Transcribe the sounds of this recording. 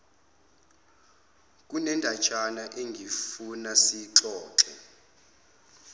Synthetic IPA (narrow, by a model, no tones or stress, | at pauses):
k̬ʼunɛndʱat͡ʃʰʼanaʔeŋɡʱifunasiǁɔːǁɛ̰